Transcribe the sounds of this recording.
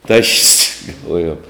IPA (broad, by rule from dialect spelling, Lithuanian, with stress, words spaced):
tɐʃʲsʲ ɡɐlˠˈʋoːjoːm